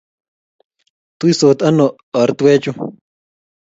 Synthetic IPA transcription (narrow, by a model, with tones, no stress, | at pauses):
t̪u˦i˦so˨t̪a˦no˨ | ə˨ɾt̪we˦t͡ʃu˦